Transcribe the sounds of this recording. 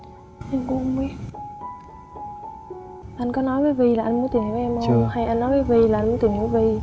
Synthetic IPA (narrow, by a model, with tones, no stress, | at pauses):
ʔa˧nko˧mwi˧ | ʔa˧nkɔ˨˦nɔ˨˦jvəː˨˦vi˨˩laː˨˩ʔa˧nm˨˧˦t̪i˨˩n˨˩˦ʔɛ˧mo˧ha˧˩jʔa˧nːɔ˨˦jvəː˨˦jvi˨˩la˨ʔa˧nmu˧˦t̪i˧˩ŋ˨e˨˦vi˨˩